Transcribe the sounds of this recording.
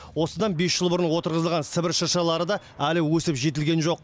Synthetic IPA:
wo̞səd̪ɑnbe̞sʒəlˠbʊɾənwo̞t̪əɾʁəzəlˠʁɑnsɪbɪɾʃəɾʃɑlˠɑɾəd̪ɑ | ælɪwɵsɪpʒe̞t̪̬ɪlɡʲe̞nʒo̞q̚

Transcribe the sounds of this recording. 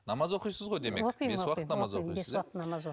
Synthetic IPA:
nɑmɑzwo̞qijsəzʁo̞jd̪e̞meoewɑqt̪nɑmɑzoieswɑqət̪nɑmɑzwo

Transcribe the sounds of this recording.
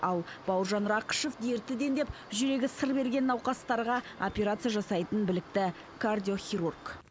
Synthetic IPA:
ɑlˠbɑwəɾʒɑnɾɑqə̥ʃo̞fd̪e̞ɾt̪ɪd̪e̞nd̪e̞p | ʒʏɾe̞ɡʲɪsəɾbe̞ɾɡʲe̞nːɑwqɑst̪ɑɾʁɑ | opʲeɾat̪sɨjaʒɑsɑjt̪ənbɪlɪk̚t̪ɪ | kʰard̪ʲijo̞χʲiɾurk

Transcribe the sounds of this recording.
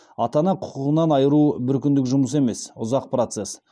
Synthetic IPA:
ɑt̪ɑnɑqʰʊ̥qʊʁənɑnɑjəɾubɪɾkʲʏnd̪ɪkʒʊməs̬e̞me̞sʊzɑq̚prot̪se̞s

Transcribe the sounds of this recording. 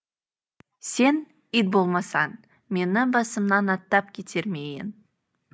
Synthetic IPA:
se̞n | id̪̚bo̞lˠmɑsɑn | me̞nɪbɑsəmnɑnɑt̪ːɑp̚kʲʰet̪ʰe̞ɾmejɪ̰n

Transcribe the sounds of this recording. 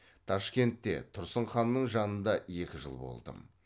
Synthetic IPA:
t̪ʰɑʃkʲe̞nt̪ːe̞̰t̪ʰʊɾsəɴχɑnːəɴʒɑnənd̪ɑje̞kʲɪʒə̰lˠbo̞̰lˠd̪ə̰m

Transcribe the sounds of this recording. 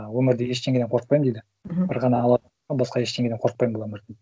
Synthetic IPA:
wɵmɪɾd̪ɪjeʃt̪ʰeŋɡed̪eqʰo̞ɾəq̚pɑjm̩d̪ejd̪ɪ | bɪɾʁɑnɑːlˠɑ | ɑbɑsqɑje̞ʃt̪ʰeŋɡed̪eqʰoɾəq̚pɑjmbolˠɑɵmɪɾd̪

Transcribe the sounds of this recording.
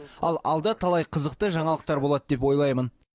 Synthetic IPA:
ɑlˠɑlˠd̪ɑt̪ʰɑlˠɑjqʰəzəqt̪əʒɑɴɑlˠəq̚t̪ɑɾbolˠɑt̪əd̪e̞p̬wo̞jlˠɑjmən

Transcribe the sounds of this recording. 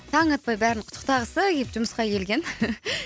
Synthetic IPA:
t̪ʰɑɴɑt̪̚pɑjbæɾɪnqʰʊt̪ʰːə̥qt̪ɑʁəsəɡʲepʒ̥ʊməsqɑkʲʰe̞lɡʲe̞n

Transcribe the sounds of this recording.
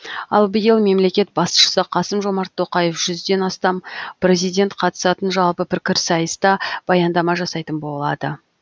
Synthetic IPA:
ɑ̰lˠbɪjəlˠme̞mle̞kʲe̞t̪̚bɑsʃə̥səqʰɑsəmʒo̞mɑɾt̪ʰːo̞qɑje̞fʒ̥ʏzd̪e̞nɑst̪ɑmprʲe̞zijd̪ʲe̞nt̪qʰɑt̪ə̥sɑt̪ənʒɑlˠpəpʰɪɾkʲɪɾsɑjəst̪ɑb̥ɑjɑnd̪ɑmɑʒɑsɑjt̪ənbo̞lˠɑ̰d̪ə

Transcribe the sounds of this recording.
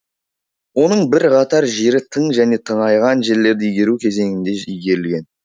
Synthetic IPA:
wo̞nəɴbɪɾqʰɑt̪ɑɾʒe̞ɾɪt̪ʰəɴʒæne̞t̪ʰəɴɑjʁɑnʒe̞ɾle̞ɾd̪ɪijɡʲe̞ɾukʲʰe̞ze̞ŋɪnd̪e̞ijɡʲe̞ɾɪlɡʲe̞n

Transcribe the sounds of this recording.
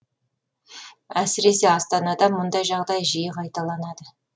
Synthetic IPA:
æsɪɾe̞se̞ɑst̪ɑnɑd̪ɑmʊnd̪ɑjʒɑʁd̪ɑjʒijəqʰɑjt̪ɑlˠɑnɑd̪ə

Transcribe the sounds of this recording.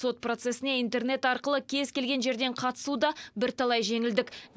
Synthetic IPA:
so̞t̪̚pro̞t̪se̞sɪne̞int̪e̞rne̞t̪ɑɾqəlˠəkʲʰe̞zkʲe̞lɡʲe̞nʒe̞ɾd̪e̞ɴqʰɑt̪ə̥sud̪ɑbɪɾt̪ʰɑlˠɑjʒe̞ŋɪld̪ɪk

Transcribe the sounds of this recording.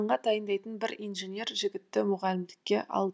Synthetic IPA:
ɴʁɑt̪ʰɑjənd̪ɑjt̪ənbɪɾijnʒenʲje̞ɾʒɪɡʲɪt̪ːɪmʊʁɑlɪmd̪ɪkʲːe̞ʔɑ̰lˠ

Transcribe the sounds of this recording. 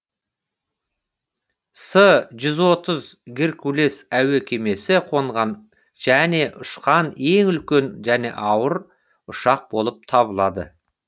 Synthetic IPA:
səʒʏzwo̞t̪əzɡʲɪɾkʰule̞sæwe̞kʲʰe̞me̞sɪqʰo̞ɴʁɑn | ʒ̥æne̞ʔʊʃqɑne̞ŋʏlkʲe̞nʒæne̞̰ʔɑwəɾ | ʊʃɑq̚bo̞lˠəp̚t̪ʰɑβəlˠɑd̪ə̰

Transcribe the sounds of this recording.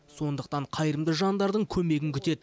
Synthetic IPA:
so̞nd̪əq̚t̪ɑɴqʰɑjɾəmd̪əʒɑnd̪ɑɾd̪əɴkʲʰɵme̞ɡʲɪŋkʲʰʏt̪e̞d̪ɪ

